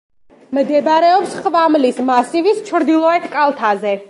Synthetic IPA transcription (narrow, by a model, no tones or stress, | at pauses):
md̪ɛbɾɛɔpsχvamlismasivist͡ʃʰɾd̪ilˠɔɛt̪ʰkʼalˠt̪ʰazɛ